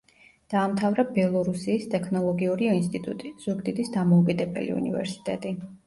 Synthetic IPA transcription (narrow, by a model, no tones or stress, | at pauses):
d̪̥aːmt̪ʰavɾabɛlˠɔɾusiːst̪ʼɛkʰnɔlˠɔɡiuɾiɔinst̪ʼit̪ʼṵt̪ʼiz̥uɡd̪id̪isd̪amɔukʼid̪ɛbɛ̰lḭṵnḭvɛ̰ɾsi̥t̪ʼɛt̪ʼi